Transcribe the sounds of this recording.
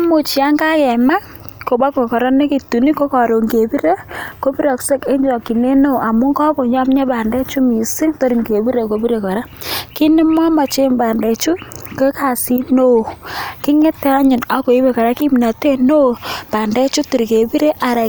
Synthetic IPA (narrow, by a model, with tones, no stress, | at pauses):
mo˨t͡ʃi˨a˦ŋɡa˦kɛ˨ma˦ | ko˨ba˦ko˨kɔ˨ɾɔ˦ne˦ki˨tu˨ni˦ko˦kɔ˨ɾo˨ŋɡe˨bi˦ɾe˦ko˦bi˦ɾɔ˨kse˦ke˦ɲd͡ʒɔ˨ki˨ne˦no˦˨a˨mu˦ŋɡɔ˦bo˨ɲɔ˦mɲa˦ba˨ndɛ˦t͡ʃu˦mi˨si˦ŋto˦ɾi˨ŋɡe˨bi˦ɾe˨ko˨bi˦ɾe˨kɔ˨ɾa˦ki˦nɛ˦mwa˦ma˨t͡ʃe˦mba˨ndɛ˨t͡ʃu˦ke˦ka˨si˦no˦˨kɪ˦ŋe˦tɛ˦a˦ɲɪ˨na˦ko˨i˦be˨ka˨ɾa˦ki˦mi˨na˨te˦no˦˨pa˨ndɛ˦t͡ʃu˦ti˨ɾke˨bi˦ɾe˦ʔa˨ɾa˨